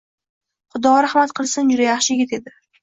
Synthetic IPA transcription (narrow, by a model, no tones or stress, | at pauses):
χʊd̪ɒɾahmat̪qʰɨlˠsɪnd͡ʒʊd̪ajɑχʃɪɡʲɪt̪e̞d̪ɪ